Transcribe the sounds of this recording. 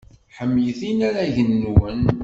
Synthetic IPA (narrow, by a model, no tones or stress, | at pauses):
ħəmːijθinæɾæʝənːwən